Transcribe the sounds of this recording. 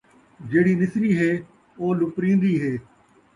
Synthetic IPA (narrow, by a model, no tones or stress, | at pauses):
d͡ʒeːɽ̤iːnɪsɾiːɦeː | oːlʊpɾĩːnd̪iːɦeː